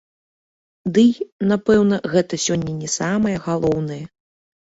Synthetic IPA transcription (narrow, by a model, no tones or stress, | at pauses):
d̪ɨjnapɛwnɐɣɛt̪ɐsʲɔnʲːɐnʲɛsamɐjɐɣalˠɔwnɐjɐ